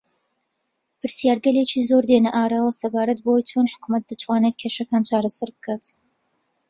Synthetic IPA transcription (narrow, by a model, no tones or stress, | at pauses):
pʰɨɾsjaːɾɡɐleːt͡ʃiːzoɾd̪enɐʔaːɾaːwɐsɐbaːɾɐt̪bɐwojt͡ʃʰonħʊ̥kumɐt̪̚d̪ɐt̪ʰwaːnet̪̚kʰeʃɐkaːnt͡ʃʰaːɾɐsɐɾbɨ̥kʰaːt̪